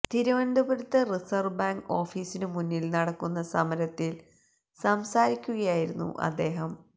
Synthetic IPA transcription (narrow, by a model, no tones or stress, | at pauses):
t̪iɾuʋɐɳɖɐbɐɾut̪ːɐrisɐrbaːŋɡo̞ːfiːsinɨmunːilnɐɽɐkːunːɐsɐmɐɾɐt̪ːil | sɐmsaːɾikʲːuɣɐjaːjiɾunːṵʔɐ̰d̪ːe̞ːɦɐm